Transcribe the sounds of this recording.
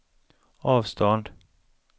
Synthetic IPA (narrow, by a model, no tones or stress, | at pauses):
ɑːvst̪ʰɔnd̪